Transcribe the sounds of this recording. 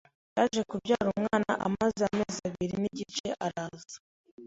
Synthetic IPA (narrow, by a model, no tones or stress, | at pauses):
jaːʒe̞kubɟaːɾuamŋaːna̰ʔa̰mazeameːzaβiɾiniɟit͡ʃe̞ʔaɾaːzḁ